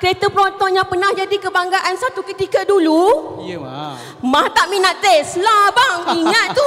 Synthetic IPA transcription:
kəɾet̪əpəɾɔnt̪ɔʔɲãpənãhd͡ʒadikəbaŋɡaʔansat̪ukət̪ikədulu | mãht̪aʔmĩnat̪̚t̪əslabaŋiŋat̪ːu

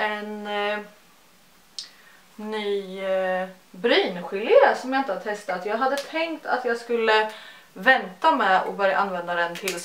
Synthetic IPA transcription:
ɛn | yː | bɾyːnɧɪljəsɔmjaɪnt̪əhad̪ət̪ʰɛst̪at̪jɑːɡɦad̪ːət̪ʰɛŋkt̪ʰa̰t̪jɑːɡskɵlːəvɛnt̪amɛɔ̰bœɾja̰ʔanvɛnd̪ad̪ɛnt̪ʰɪls

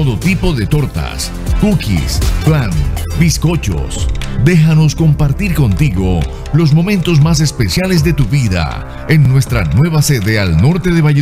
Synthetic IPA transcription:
oðot̪ipo̞ðe̞t̪o̞ɾt̪a̰s | kukḭsplanbisko̞t͡ʃo̞̰sd̪e̞xano̞skompaɾt̪iɾko̞nt̪iɣo̞̰ | lo̞s̬mo̞mẽ̞nt̪o̞s̬mas̬e̞spe̞sjale̞z̬ðe̞t̪uβiða̰ | enːwest̪ɾa̰nwe̞βase̞ðe̞alno̞ɾt̪e̞ðe̞βa

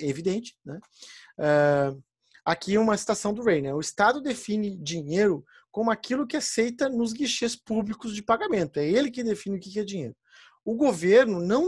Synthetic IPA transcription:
evid̪ẽnt͡ʃɪ̥nɛ | ɛ | akiũmɐsi̥t̪asɐ̃w̃d̪ʊʁẽj̃nɛʊɪst̪ad̪ʊd̪efĩnɪd͡ʒiɲejɾʊ | kõmʊakilʊkɪasejt̪ɐnʊzɡiʃespublikʊzd͡ʒɪpaɡamẽnt̪ʊɛelɪkɪd̪efĩnɪʊkɪkɪɛd͡ʒiɲḛjɾʊ | ʊɡoveɾnʊnɐ̃w̃

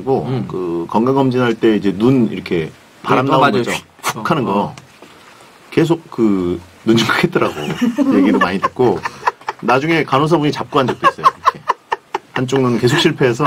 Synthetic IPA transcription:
iɡokɯkʌŋɡaŋʌmd͡ʑinɦaɭt͈e̞id͡ʑe̞nunḭɾʌkʰe̞ | paɾamnat͡ɕ | pu̥kʰanɯnɡʌ | ke̞s̬ʰok̚kɯ | nund͡ʑɯŋkʰɯɡʰet̚t͈ʌɾaɡo̰jeɡidomaɲidʰɯt̚k͈o | nad͡ʑuŋe̞kanos̬ʰʌbuɲit͡ɕap̚k͈uɦand͡ʑʌk̚t͈ois͈ʌjoiɾʌkʰe̞hant͡ɕ͈oŋnɯnke̞sʰokɕ͈ʰiɭpʰe̞ːsʰʌ

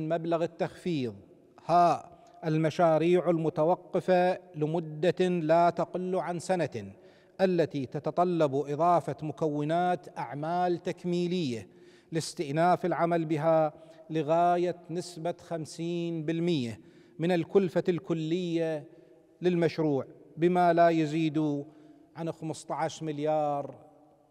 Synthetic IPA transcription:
nmablaɣɪt̪ːaxfiːðˤ | haːʔ | ʔɪlmaʃaːɾiːʕɪlmʊt̪awɑqːɨfalɪmʊd̪ːalat̪aqɪlːʕansana | ʔalːat̪it̪at̪ɑt̪ˤɑlːɑbʔɨðˤɑːfɑmʊkawːɪnaːt̪ʔaʕmaːlt̪akmiːlɪjːa | lɪst̪ɪʔnaːfɪlʕamalbɪɦalɪɣaːjanɪsbaxamsiːnbɪlmɪjːa | mɪnɪlkʊlfalkʊlːɪjːa | lɪlmaʃɾuːʕbɪmalajaziːd̪u | ʕanxamʊst̪ˤɑʕaʃmɪljɑːɾˤ

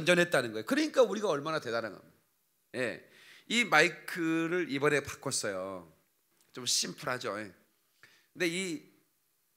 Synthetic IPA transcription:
nd͡ʑʌnɦe̞t̚t͈anɯnɡʌjokɯɾʌɲik͈auɾiɡaʌɭmanate̞daɾaŋɡʌ̰m | je̞̰ | imaikʰɯɾɯɾibʌɾepḁk͈ʰʌs͈ʌjo | t͡ɕomɕ͈ʰimpʰuɾɦad͡ʑojḛ | kɯnde̞i

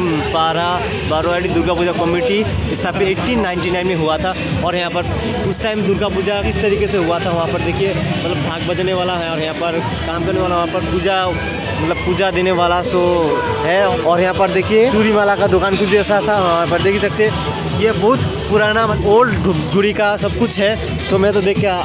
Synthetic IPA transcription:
baːɾa | baːɾoaːɽid̪ʊɾɡapuːd͡ʒakɔmiːʈi | ɪst̪ʰapeeːʈiːnːaːɪ̃ɳʈinaːɪ̃nmẽɦuat̪ʰa | ɔːɾjɐɦãpɐɾ | ʊsʈaːɪmd̪ʊɾɡapuːd͡ʒakɪst̪ɐɾiːkeseɦʊat̪ʰaʋɐɦãpɐɾd̪eːkʰiemɐt̪ləbbʱãːɡ̚bɐd͡ʒneʋaːlaɦɛɔːɾjɐɦãpɐɾ | kaːmkɐɾneʋaːlaɦʋɐɦãpɐɾpuːd͡ʒa | mɐt̪ləb̚puːd͡ʒad̪eːneʋaːlasoɦɛɔːɾjɐɦãːpɐɾd̪eːkʰieʃuːɾimaːlakad̪ʊkaːnkʊt͡ʃɛːsat̪ʰaʋɐãpɐɾd̪eːkʰisɐk̚t̪eɛ̃ | jebɐɦʊt̪ | pʊɾaːnaoːlɖd͡ʒʱʊɽikasɐb̚kʊt͡ʃʰɦɛ | somɛ̃t̪̬od̪eːkʰːja

